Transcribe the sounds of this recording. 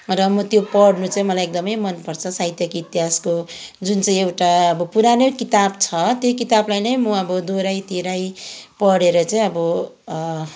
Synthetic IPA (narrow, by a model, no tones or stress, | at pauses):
rʌmʌt̪jopʌɽnut͡saĩmʌlajek̚d̪ʌmʌjmʌnpʌrt͡sʰʌsajt̪jʌkit̪iɦaskod͡zunt͡saĩewʈaʌbʌpuɾanokit̪abt͡sʰʌt̪jokit̪ablajnʌjmʌʌbʌd̪oɾajt̪iɾajpʌɽeɾʌt͡saĩʌbʌ